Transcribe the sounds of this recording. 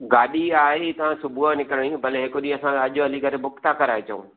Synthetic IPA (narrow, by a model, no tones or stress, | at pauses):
ɡaːɗiaːɦet̪ɐʋ̤ãsʊbuanɪkəɾəɽ̃ibɐleɦɪkʊɗiɐsãɐʄʊɐlikɐɾebʊkt̪akɐɾaːet͡ɕɐṵ̃ː